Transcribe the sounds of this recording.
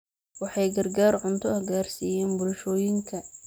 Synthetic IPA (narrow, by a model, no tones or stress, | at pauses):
wɑħɑjɡɐrɡaːrʕʊnt̪ʰɔhɡaːrsiːjɛːnbʊlʃɔːjɪŋkʰɐ